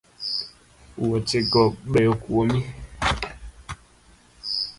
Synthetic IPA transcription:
uwɔt͡ʃeɡɔɓɛokuwomĩ

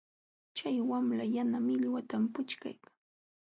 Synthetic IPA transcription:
t͡ʃajwamlajanamɪʎwat̪ampʊt͡ʃka̰jkḁŋ

